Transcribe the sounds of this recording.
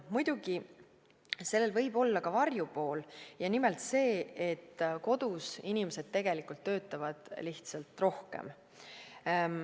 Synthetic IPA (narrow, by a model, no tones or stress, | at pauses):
mujd̪̥uɡi | se̞lːe̞lvɤ̞jb̥o̞lːɑkɑvɑrjupo̞ːljɑnimelt̪se̞ːet̪ːko̞d̪usinimese̞d̪̥̚t̪ːe̞ɡ̥e̞likult̪ːø̞ːt̪ːˑɑvɑd̪̥liht̪sɑlt̪ˑro̞hkḛm